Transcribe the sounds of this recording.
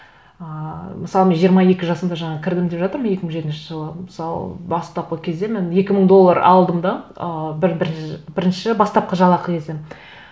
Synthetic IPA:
əmɪsɑlˠəmenʒijəɾmɑje̞kʲɪʒɑsəmd̪ɑʒɑɴɑkʲʰɪɾd̪ɪmd̪e̞pʒɑt̪əɾmənje̞kʲɪməɴʒe̞t̪ɪnʃɪʒəlˠəməsɑlˠə̰bɑst̪ɑp̚qəkʲʰe̞zd̪e̞me̞nje̞kʲɪməɴd̪o̞lˠːɑɾɑ̰lˠd̪əmd̪ɑəbɪɾbɪbɪɾɪnʃɪbɑst̪ɑp̚qɑʒɑlˠɑqʰəkʲʰe̞zd̪e̞m

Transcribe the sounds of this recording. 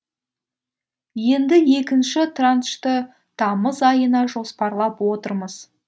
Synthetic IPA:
je̞nd̪ɪje̞kʲɪnʃɪt̪ranʃt̪ɪ | t̪ʰɑməzɑjənɑʒo̞spɑɾlˠɑpwo̞t̪əɾməz̥

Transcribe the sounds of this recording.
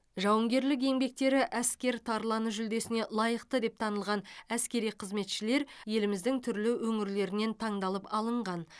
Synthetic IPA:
ʒɑwəŋɡʲe̞ɾlɪk̬e̞ŋbe̞k̚t̪e̞ɾɪʔæskʲe̞ɾt̪ʰɑɾlˠɑnəʒʏld̪e̞sɪne̞lˠɑjəqt̪əd̪e̞p̚t̪ʰɑnəlˠʁɑnæskʲe̞ɾijqʰəzme̞t̪ʃɪle̞ɾje̞lɪmɪzd̪ɪŋt̪ʰʏɾlɪwɵŋɪɾle̞ɾɪne̞nt̪ʰɑɴd̪ɑlˠəpɑlˠəɴʁɑn

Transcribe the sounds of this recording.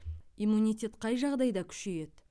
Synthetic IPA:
imunʲijt̪ʲe̞t̪qʰɑjʒɑʁd̪ɑjd̪ɑkʲʰʏ̥ʃeje̞d̪

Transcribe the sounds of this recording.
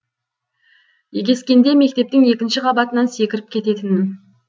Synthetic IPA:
jeɡʲe̞skʲe̞nd̪e̞me̞k̚t̪e̞p̚t̪ɪŋe̞kʲɪnʃɪqʰɑbɑt̪ənɑnse̞kʲɪɾɪp̚kʲʰe̞t̪e̞t̪ɪnɪn

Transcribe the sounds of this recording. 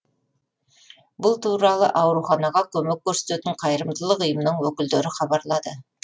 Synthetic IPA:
bʊlˠt̪ʰuɾɑlˠə̰ʔɑwɾuχɑnɑʁɑkʲʰɵmek̚ʲːɵɾse̥t̪et̪ɪɴqʰɑjɾəmd̪əlˠəqəjəmnəɴwɵkʲɪld̪eɾɪχɑbɑɾlˠɑd̪ə

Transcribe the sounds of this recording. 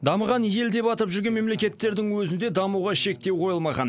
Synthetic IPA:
d̪ɑməʁɑnje̞ld̪e̞pɑt̪əpʒʏɾɡʲenme̞mle̞kʲe̞t̪ːe̞ɾd̪ɪŋwɵzɪnd̪e̞d̪ɑmuʁɑʃe̞k̚t̪e̞wqʰo̞jəlˠmɑʁɑ̰n

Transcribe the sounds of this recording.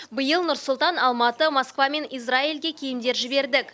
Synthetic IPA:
bəjəlˠnʊɾsʊlˠt̪ɑnɑlˠmɑt̪əmoskvɑme̞nijzrailɡʲe̞kʲʰejɪmd̪e̞ɾʒɪbe̞ɾd̪ɪkʲ

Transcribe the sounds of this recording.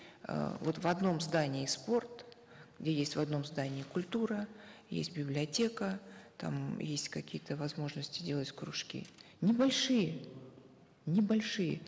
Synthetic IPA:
ə̰vo̞t̪vɐd̪no̞mzd̪anʲɪɪspo̞rt̪ | ɡ̥dʲejesʲtʲvɐd̪no̞mzd̪anʲɪːkʊlʲt̪uɾəjḛsʲtʲbʲɪblʲɪɐtʲe̞kət̪a̰mjesʲtʲkɐkʲijət̪əvɐzmo̞ʐnəsʲtʲɪdʲe̞lˠətʲkɾʊʂkʲḭ | nʲɪbɐlʲʂɨjə | nʲɪbɐlʲʂɨjə̰

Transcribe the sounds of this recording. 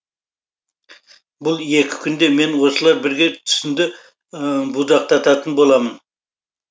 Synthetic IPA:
bʊlˠje̞kʲɪ̥kʲʰʏnd̪e̞me̞nwo̞səlˠɑɾbɪɾɡʲe̞t̪ʰʏ̥sɪnd̪ɪ | bud̪ɑq̚t̪ɑt̪ɑt̪ənbo̞lˠɑmən

